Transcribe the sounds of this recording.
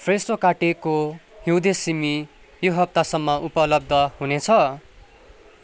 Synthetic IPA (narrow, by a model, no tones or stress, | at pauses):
pʰresrokaʈekohiwd̪esimi | joɦʌp̚t̪asʌmːʌʔupʌlʌb̚d̪ʱʌhunet͡sʰʌ